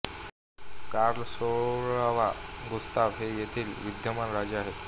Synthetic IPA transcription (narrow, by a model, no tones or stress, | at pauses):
kaɾlsoɭaʋaɡust̪aʋɦejet̪ʰiːlʋid̪jəmanɾad͡ʑaɦe